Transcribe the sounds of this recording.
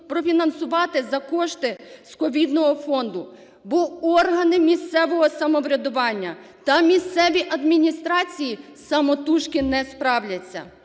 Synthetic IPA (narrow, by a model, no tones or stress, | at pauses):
pɾɔfʲinɐnsʊʋɑt̪ɪzɐkɔʃt̪ɪskɔʋʲid̪nɔɦɔfɔnd̪ʊ | bɔɔrɦɐnɪmʲist̪sɛʋɔɦɔsɐmɔʋɾʲɐd̪ʊʋɑnʲːɐt̪ɐmʲist̪sɛʋʲiʔɐd̪mʲinʲist̪ɾɑt͡sʲiji | sɐmɔt̪uʃkɪnɛspɾɑwlʲɐt͡sʲːɐ̰